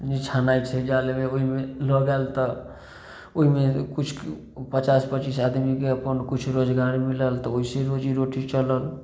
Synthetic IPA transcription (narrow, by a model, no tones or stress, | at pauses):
nit͡ʃʰanait͡ʃʰɛd͡ʒalemeoɦimelɔɡalt̪ɔ | oɦimekut͡ʃʰ | pət͡ʃaspət͡ʃisad̪mikeəpənkut͡ʃʰɾod͡ʒɡaɾmiləlt̪ɔoɦisẽɾod͡ʒiɾoʈit͡ʃələl